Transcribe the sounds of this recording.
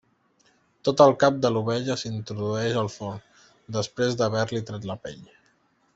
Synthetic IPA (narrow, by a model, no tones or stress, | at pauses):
t̪ot̪əlˠkap̚d̪əluβɛʎəsint̪ɾuðuɛʃəlˠfon | d̪əspɾezd̪əβɛɾlit̪ɾat̪ləpɛ̰ʎ